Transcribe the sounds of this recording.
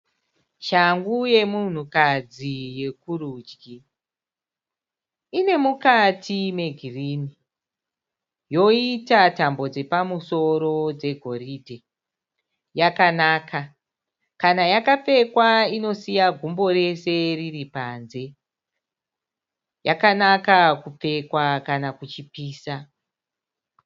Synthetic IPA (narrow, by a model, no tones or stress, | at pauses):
ʃaŋɡuje̞mun̤ukad͡zije̞kurud͡ʒɡi | ine̞mukatʰime̞ɡʱiriːni | jo̞itatambo̞d͡ze̞pamuso̞ɾo̞d͡ze̞ɡʱo̞riːdʱe | jakanaːka | kanajakap͡fe̞kwaino̞sijaɡʱumbo̞ɾe̞se̞riripanze̞ | jakanakakup͡fe̞kwakanakut͡ʃipiːsa